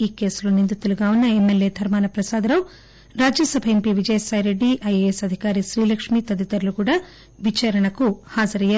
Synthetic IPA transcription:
iːke̞ːsuloːnind̪it̪uluɡaːunːɐemːelje̞ːd̪ʱɐɾmaːnɐpɾɐsaːd̪ɐɾɐw | ɾaːd͡ʒjɐsɐbʱɐempiʋid͡ʒɐjɐsaːjɾe̞ɖːiʔɐjeesɐd̪ʱikaːɾiʃɾiːlɐkʂmiːt̪ɐd̪it̪ɐɾlukuːɽaː | ʋit͡ʃaːɾɐɳɐkuhaːd͡ʒɐɾɐjːaːɾ

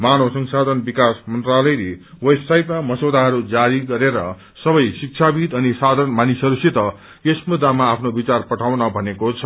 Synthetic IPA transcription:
manosʌŋsad̪ʱʌnbikasmʌnt̪ralʌjle | websajpmamʌsod̪ʱaɦʌɾud͡zaɾiɡʌɾeɾʌ | sʌbʌjsik̚t͡ʃʰabid̪ʌnisad̪ʱʌnmanisʌɾusit̪ʌ | esmud̪ʱːamaːpʰnobit͡sarpʌʈʰawnʌbʱʌnekot͡sʰʌ

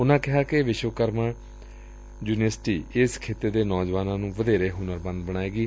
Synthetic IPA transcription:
ʊnãːkɪɦaːkɪʋɪʃʋəkəɾmãː | d͡ʒuːnəsʈiːɪskʰeːt̪eːd̪eːnɔːd͡ʒʋaːnãːnũːʋəd̪eːɾeːɦʊnəɾbə̃nd̪bəɽ̃aːeːɡiː

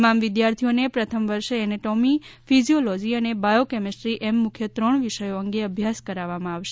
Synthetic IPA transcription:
mamʋɪd̪jaɾt̪ʰijonepɾət̪ʰəmʋəɾʃeːneʈomifizijolɔd͡ʒiənebajokɛmesʈɾiʔɛmːʊkʰjət̪ɾəɳʋiʃəjoəŋɡeəbʱjaskəɾaʋamãaʋʃe

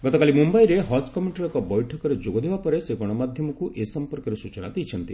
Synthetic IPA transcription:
ɡɔt̪ɔkalimumbajɾeɦɔd͡ʒkɔmiʈɔɾɔkɔbɔjʈʰɔkɔɾed͡ʒoɡɔd̪ebapɔɾeseɡɔɽ̃ɔmad̪ʱjɔmɔkuʔesɔmpɔɾkɔɾesut͡ʃɔna̰d̪ijt͡ʃʰɔnt̪i

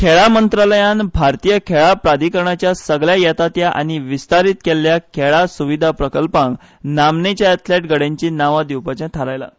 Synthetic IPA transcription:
kʰeɭamənt̪ɾaləjanbʱaɾt̪ijəkʰeɭapɾad̪ʱikəɾɳat͡ɕjasəɡɭjajɛt̪at̪jaʔa̰ñiʋist̪aɾit̪kelːjakʰeɭasuʋid̪ʱapɾəkəlpãŋɡ | namnet͡ɕjaɛt̪ʰleʈɡəɽẽɲt͡ɕiːnaʋad̪iwpat͡ɕãt̪ʰaɾajla̰

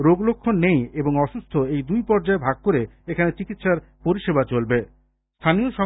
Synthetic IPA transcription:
ɾoɡlokʰːonːejeboŋɔʃust̪ʰoejd̪ujpɔɾd͡ʑaebʱaɡ̚koɾeekʰanet͡ɕikit̪ʃaɾpoɾiʃebat͡ɕolbe | st̪ʰanioʃɔ

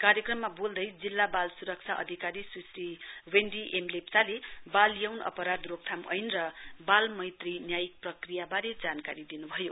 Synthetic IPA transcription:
kaɾjʌkrʌmːabold̪ʌjd͡zilːabalsuɾʌk̚t͡sʰaʔʌ̰d̪ʱikaɾisusriwenɖiʔemlepsalebaljawnʌ̰pʌɾad̪rok̚t̪ʰamʌ̰jnrʌbalmʌjt̪rinjajik̚prʌkrijabaɾed͡zankaɾid̪inubʱʌjo

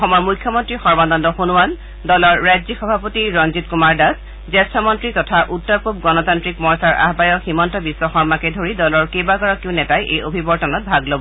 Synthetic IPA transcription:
ɔxɔmɔjmujkʰːjɔmɔntɹixɔɹmandɔndɔxunuwan | dɔlɔɹːajzixɔbʱapotiɹɔnzitkumaɹdas | zɛstʰɔmɔntɹitɔtʰaʔutːɔɹpupɡɔnɔtantɹikmɔɹsaɹa̰ɦbajɔximɔntɔbisːɔxɔɹmakɛdʱoɹidɔlɔɹkejbakɔɹakiʊnɛtajʔejobʱibɔɹtɔnɔt̚bʱaɡlobɔ

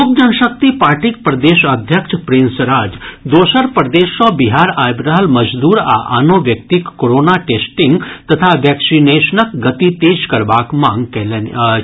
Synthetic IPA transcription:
ok̚d͡ʒɐnʃək̚t̪ipaːɾʈik̚pɾɐd̪eːʃɐd̪ʱjəkʃʰpɾinsɾaːd͡ʒd̪oːsəɾpɾəd̪eːʃɔ̃biɦaːɾaːjbɾəɦəlmɐd͡ʒd̪uːɾa̰ʔa̰noːʋjək̚t̪ikːoɾoːnaʈeːsʈĩŋɡt̪ɐt̪ʰaʋɛːksineːʃnəkɡɐt̪it̪eːd͡ʒkɐɾʋaːkmãŋɡkel

